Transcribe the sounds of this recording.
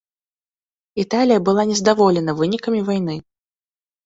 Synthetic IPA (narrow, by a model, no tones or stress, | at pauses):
it̪alʲijɐbɨlˠanʲɛzd̪avɔlʲɛnɐvɨnʲikɐmʲivajn̪ɨ